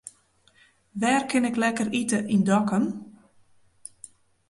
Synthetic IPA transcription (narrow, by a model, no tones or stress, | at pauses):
ʋɛːrkʰɪnɪklɛkəritəʔindɔkən